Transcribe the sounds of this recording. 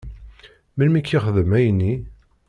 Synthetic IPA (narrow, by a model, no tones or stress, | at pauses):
milmikːiχəðəmæjnːi